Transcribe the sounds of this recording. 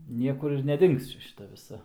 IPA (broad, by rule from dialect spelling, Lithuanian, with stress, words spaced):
ˈnʲiɛkʊr ɪr nʲɛˈdʲɪŋks ˈt͡ʃʲɛ ʃʲɪˈtɐ ʋʲɪˈsɐ